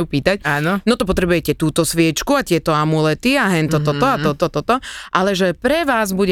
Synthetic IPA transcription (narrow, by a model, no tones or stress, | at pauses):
jupiːt̪ac̚aːnɔnɔt̪ɔpɔt̪ɾɛbujɛcɛt̪uːt̪ɔsʋɪɛt͡ʃkuat̪ɪɛt̪ɔamulɛt̪iaɦɛnt̪ɔt̪ɔt̪ɔat̪ɔt̪ɔt̪ɔt̪ɔʔalɛʒɛpɾɛʋaːzbuɟɛ